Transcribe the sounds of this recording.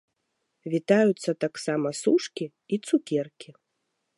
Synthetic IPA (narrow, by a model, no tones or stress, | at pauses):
vʲit̪ajut̪sːɐt̪aksamɐsuʂkʲi | it̪sukʲɛrkʲi